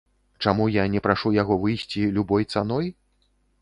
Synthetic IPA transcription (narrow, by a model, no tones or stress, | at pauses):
t͡ʂamujanʲɛpɾaʂujaɣɔvɨjsʲt͡sʲilʲubɔjt̪sanɔj